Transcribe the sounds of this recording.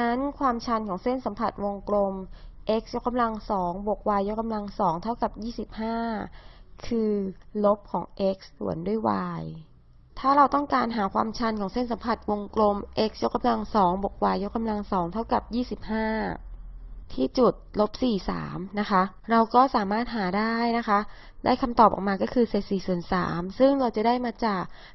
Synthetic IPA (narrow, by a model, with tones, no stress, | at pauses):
na˦˥nkʰwaː˧mt͡ɕʰa˧nkʰɔː˩˦ŋse˥˩nsa˩˦mpʰa˨˩t̪̚wo˧ŋklo˧mʔe˦˥k̚sjo˦˥k̚ːa˧mla˧ŋsɔː˩˦ŋbo˨˩k̚waː˧jːo˦˥k̚ka˧mla˧ŋsɔː˩˦ŋt̪ʰa˥˩wka˨˩p̚jiː˥˩si˨˩p̚haː˥˩kʰɯː˧lo˦˥p̚kʰɔː˩˦ŋʔe˦˥k̚ssṵ˩˦əndu˥˩əjwa̰ː˧j | t̪ʰaː˥˩ɾa˧wt̪ɔ˥˩ŋkaː˧nɦaː˩˦kʰwaː˧mt͡ɕʰa˧nkʰɔː˩˦ŋse˥˩nsa˩˦mpʰa˨˩t̪̚wo˧ŋklo˧mʔe˦˥k̚sjo˦˥k̚ːa˧mla˧ŋsɔː˩˦ŋbo˨˩k̚waː˧jːo˦˥k̚ːa˧mla˧ŋsɔː˩˦ŋt̪ʰa˥˩wka˨˩p̚jiː˥˩si˨˩p̚haː˥˩ | t̪ʰiː˥˩t͡ɕu˨˩t̪̚lo˦˥p̚siː˨˩sa̰ː˩˦mna˦˥kʰa˦˥ʔ | ɾa˧wkɔː˥˩saː˨˩˦maː˥˩t̪̚ɦaː˩˦daː˥˩jna˦˥kʰa˦˥ʔ | daː˥˩jkʰa˧mt̪ɔː˨˩p̚ʔɔ̰˨˩kmaː˧kɔː˥˩kʰɯː˧se˨˩t̪̚siː˨˩su˨˩ənsa̰ː˩˦msɯ˥˩ŋɾa˧wt͡ɕa˨˩daː˥˩jmaː˧t͡ɕaː˨˩k̚